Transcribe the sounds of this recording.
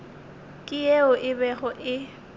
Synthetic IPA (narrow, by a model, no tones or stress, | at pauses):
kʼɪjeʊʔɪbɛɣʊʔɪ